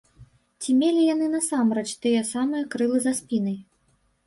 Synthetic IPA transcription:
t͡sʲimʲelʲijan̪ɨnɐsamɾɛt͡ʃt̪ɨjɐsamɨjɐkɾɨlˠɨzaspʲinɐj

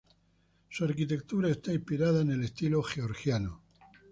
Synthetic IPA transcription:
suaɾkit̪e̞k̚t̪uɾae̞st̪aĩmspiɾaðaene̞lest̪ilo̞xeoɾxjano

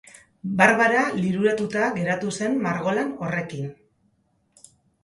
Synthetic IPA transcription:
baɾβaɾaliɾuɾat̪ut̪aɣe̞ɾat̪use̞nmaɾɣo̞lano̞re̞kin

